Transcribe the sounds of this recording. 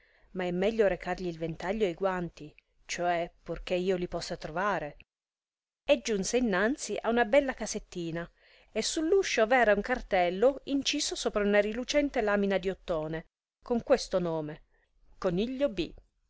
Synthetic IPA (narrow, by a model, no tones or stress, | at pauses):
maɛmːɛʎːoɾekarʎiːlvent̪aʎːoajɡwant̪i | t͡ʃoɛpurk̟eiːolipɔsːat̪ɾovaːɾe | ed͡ʒːunseinːant̪siʔaunabɛlːakaset̪ːiːna | esːulːuʃːovɛːɾauŋkart̪ɛlːoint͡ʃiːsosoːpɾaunarilut͡ʃɛnt̪elaːminad̪iot̪ːoːne | koŋkwest̪onoːme | koniʎːobḭ